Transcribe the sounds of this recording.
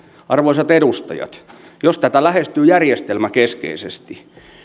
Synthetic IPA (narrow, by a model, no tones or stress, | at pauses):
ɑrʋoisɑt̪edust̪ɑ̰jɑ̰t̪ | jost̪æt̪ælæhest̪yːjærjest̪elmækeskḛisḛst̪i